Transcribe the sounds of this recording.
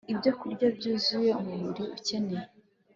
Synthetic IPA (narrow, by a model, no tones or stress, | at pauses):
ibɟokuɾɟabɟuːzuje̞umuɾuɾiuce̞neje